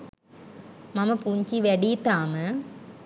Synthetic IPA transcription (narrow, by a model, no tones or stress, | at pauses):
mɐmɐpuɲt͡ɕiʋeɽiːt̪ːaːmɨ